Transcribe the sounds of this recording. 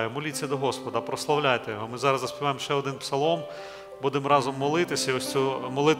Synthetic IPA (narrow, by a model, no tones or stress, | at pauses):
jʊmɔlʲit͡sʲːɐd̪ɔɦɔspɔd̪ɐpɾɔslˠɐwlʲajt̪ɛjɔɦɔmɪzɑɾɐzzɐspʲiɪʋɑjemʃt͡ʃɛɔd̪ɪnpsɐlˠɔm | bud̪emɾɑzɔmːɔlˠɪt̪ɪsʲɐiɔsʲt͡sʲumɔlˠɪt̪